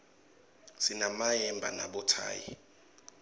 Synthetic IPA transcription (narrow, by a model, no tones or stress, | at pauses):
sinamajɛmbʱa̰naɓɔtʰa̰ːjḭ